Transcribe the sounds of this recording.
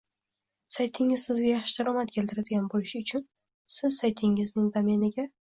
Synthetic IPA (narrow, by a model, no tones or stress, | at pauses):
sajt̪ʰɪŋɪzsɪzɡʲajɑχʃɪd̪aɾɒmat̪̚kʲʰe̞lt̪ʰɪɾad̪ɪɡʲanbolɪʃɪʊt͡ʃʰʊn | sɪzsajt̪ʰɪŋɪznɪŋd̪amenɪɡʲa